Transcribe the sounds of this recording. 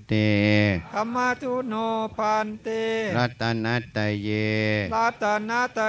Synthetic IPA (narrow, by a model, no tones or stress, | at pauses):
t̪ekamat̪unopant̪eɾat̪anad̪̥ajelat̪anat̪a